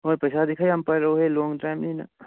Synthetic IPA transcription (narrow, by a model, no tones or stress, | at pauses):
ɔːɾpɐjsad̪ɪkʰaɦɐmpɐɾɐɦoɦelɔ̃ːŋɡʈaɪmnɐina̰